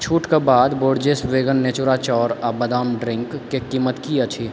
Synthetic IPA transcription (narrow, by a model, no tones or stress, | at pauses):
t͡ʃʰuːʈkebaːd̪boːɽd͡ʒesʋeːɡənːeːt͡ʃʊɾat͡ʃɔːɾabɐd̪aːmɖɾɪ̃ŋkːekiːmət̪kiɐt͡ʃʰiː